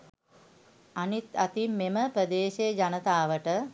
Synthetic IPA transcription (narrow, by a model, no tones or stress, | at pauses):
anit̪at̪imːeməprəd̪eːʃejd͡ʒanət̪aːʋəʈə